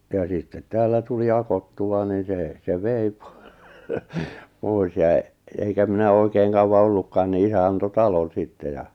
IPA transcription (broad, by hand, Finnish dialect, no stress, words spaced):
jɑ sitːet tæːlːæ tuli ɑkotːuɑ ni seˑ se ʋei po poˑis jɑ eŋkæ minæ oˑikeːŋ kɑuwɑ olːukːɑːn ni isæ ɑnto tɑlon̞ sitːe jɑ